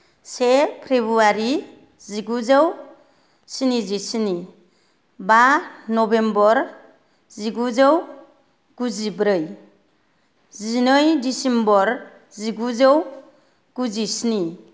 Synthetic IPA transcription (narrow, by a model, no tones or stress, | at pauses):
sepʰɾebuaɾi | ziɡuzaw | sinizisini | banɔbembɔɾ | ziɡuzaw | ɡ̥uzibɾɯj | zinɯjdisembɔɾ | ziɡuzəw | ɡ̥uzisini